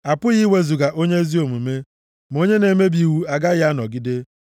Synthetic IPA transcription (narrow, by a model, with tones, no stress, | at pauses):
a˨pʊ˦ɣi˦we˦zu˨ɡa˨ʔo˦ɲe˦e˦zi˦o˨mu˨me˦ | m˨o˦ɲe˦ne˨me˦bi˨wu˦a˨ɡa˦ɣɪ˦a˦nɔ˨ɡɪ˦de˦